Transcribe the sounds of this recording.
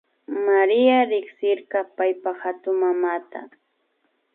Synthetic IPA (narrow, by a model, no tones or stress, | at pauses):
maɾɪaɾɪksɪɾɢɑpajpaxat̪ʊmamat̪a̰